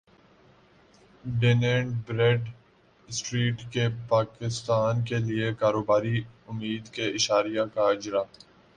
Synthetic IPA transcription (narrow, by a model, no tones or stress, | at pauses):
ɖeːnẽːɳɖbɾeːɖ | sʈɾiːʈkepaːkɪst̪aːnkeliekaːɾoːbaːɾiʊmːiːd̪keɪʃaːɾijakaɪd͡ʒɾaː